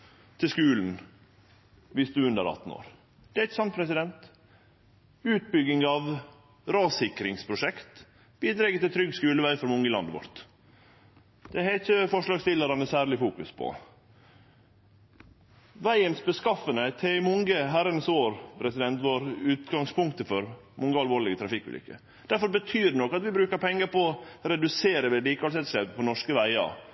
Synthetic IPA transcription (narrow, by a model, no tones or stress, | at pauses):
t̪ʰɪskʉːln̩ | ʋɪsd̪ʉʉnd̪ə̰ɾɑ̰t̪n̩o̰ːɾ | d̪̥ɛæɪçəsɑnt̪̚pʰɾɛsɪd̪ɛnt̪ | ʉːt̪̚bʏɡɪŋɑʋ | ɾɑːsɪkɾɪŋspʰɾʊʂɛkt̪ | b̥iːd̪ɾɛːɡət̪ɪlt̪ʰɾʏɡskʉːləʋæɪfɔɾmʊŋːəlɑ̰nd̪ʋɔ̰ɾt̪ | d̪̥ɛhæɪt̪çəfɔʂlɑːɡst̪ɪləɾɑnəsæːɾɭɪfuːkʉspʰɔ̰ | ʋæɪənsbəskɑfənət̪ʰɛmʊŋɡəɦæɾənəsoːɾpʰɾɛsɪd̪ɛnt̪ʋoːɾʉːt̪ɡɑŋspʰʊŋkt̪əfɔɾ | mʊŋɡəɑlʋoːɾɭɪɡət̪ʰɾɑfɪkːʉ̰lɪ̰kːə̰ | d̪̥æɾfɔɾbət̪ʰyːɾnɔkːɑt̪ʋɪbɾʉːkəɾpʰɛŋːəɾpɔɔɾɛd̪ʉseːɾəʋɛliːkɑlsɛt̪slɛːpəpʰɔnɔʂkəʋæɪɑ̰